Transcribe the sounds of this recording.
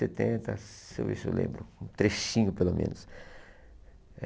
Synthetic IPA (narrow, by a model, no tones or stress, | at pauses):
et̪ẽnt̪ɐsewḭsolʔḛ̃mbɾʊũt̪ɾeʃĩɲʊpelomḛ̃nʊs